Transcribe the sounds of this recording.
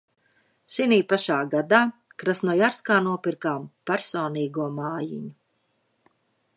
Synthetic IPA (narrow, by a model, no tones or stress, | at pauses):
ʃiniːpaʃaːɡad̪aːkɾasnuɔjaɾskaːnuɔpiɾkaːmpæɾsɔːniːɡuɔmaːjḭɲu